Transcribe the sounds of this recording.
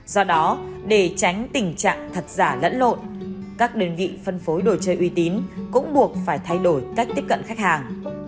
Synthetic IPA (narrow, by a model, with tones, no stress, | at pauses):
zɔ˧ɗɔ˨˦ɗe˧˩t͡ɕa˨˦jŋ̟t̪ï˨˩ŋ̟t͡ɕa̰ː˧˨ŋt̪ʰə˨˩t̚zaː˧˩lə̰˧˥nlo̰˧˨n | kaː˦˥k̚ɗe˨˧nvḭ˧˨fə˧nfo˨˦jɗo˨˩t͡ɕəː˧jʔwi˨˧˦t̪i˨˦nkʊ̰˧˥ŋ͡mɓu˨˩ək̚faː˧˩jt̪ʰa˧jɗo˧˩jka˦˥k̚t̪i˦˥əp̚kə̰˧˨nxa˦˥k̟̚haː˨˩ŋ